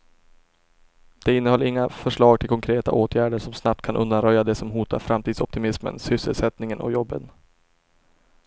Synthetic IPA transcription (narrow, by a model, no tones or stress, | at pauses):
d̪̥ɛɪnːəhɔlːɪŋːafœʂɭɑːɡt̪ʰɪlkʰɔŋkʰɾeːt̪a̰ʔoːt̪ʰjæːɖəʂɔmsnap̚t̪kʰanʔɵ̰nd̪anɾœjːad̪ɛsɔmɦuːt̪a̰ɾfɾamt̪ʰiːd̪sɔp̚t̪ɪmɪsmə̰nsʏsːəlsɛt̪nɪŋənʔɔ̰jɔbːən